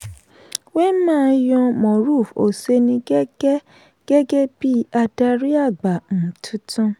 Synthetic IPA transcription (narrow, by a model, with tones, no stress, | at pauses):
we˦mãː˦˨˦jɔ̃˧mɔ̃˨ɾu˦˨fo˨se˧˦nĩ˧ɡɛ˦ɡɛ˦ | ɡ̥ɛ˦ɡɛ˦bi˦a˧da˦ɾi˦a˦˨ɡ͡ba˨m̩˨tʰũ˦tũ˦